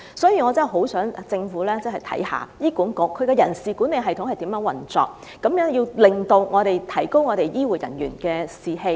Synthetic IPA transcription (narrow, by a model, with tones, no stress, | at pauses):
sɔː˨˥jiː˨˩ŋɔː˨˧t͡sɐ˥˨ɦo˨˥wsœː˨˥ŋ˨˧t͡sɪ˧ŋfuː˨˥lɛː˥t͡sɐ˥hɐ˨jt̪ʰɐ̰˨˥jha̰ː˨˩jiː˥kuː˨˥nkɔʊ˨˥kʰɵ˨˧ɥkɛː˧jɐ˨˩nsiː˨˩ku˨˥nːe˨˧jɦɐ˨jt̪ʰʊ˧˥ŋhɐ˨jt̪i˨˥mjœː˨˥ŋwɐ̰˨˩nt͡sɔ̰ː˨k̚ | kɐ˨˧˥mjœː˨˥ŋjiː˧wlɪ˨ŋt̪o˧wŋɔː˨˧ɾe˨jt̪ʰɐ˨˩jko˥wŋɔː˨˧ɾe˨jjiː˥wuː˨˩jɐ̰˨˩njyː˨˩nkɛː˧siː˨he˧j